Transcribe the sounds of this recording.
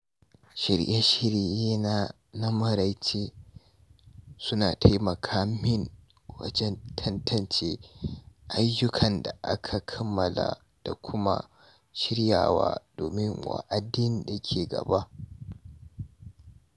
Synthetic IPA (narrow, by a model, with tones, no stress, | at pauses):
ʃɪ˨ɾjʔa˦ʃɪ˦ɾjeː˦na˦ | nɐ˦mɐ˦˨ɾa˨jt͡ʃeː˦ | sʊ˦naː˨tʰa˦jmɐ˨kʰaː˦mɪ˦ŋ | wɐ̰˦d͡ʒɛ˦ntʰɐ˦ntʰɐ˨nt͡ʃeː˦ʔa˦jːʊ˦kʰɐ˨nda̰˨ʔa̰˦kʰa˨kʰɐ˦mːɐ˨la̰˨ | d̥a˨kʷʰʊ˦ma̰˦ | ʃɪ˦ɾja̰ː˨wa̰ː˦d̥o̰ː˨mɪ˦ŋwa̰˨ʔa˦dɪ˦n˦da˨kʲʰeː˨ɡɐ̰˨ba˦ʔ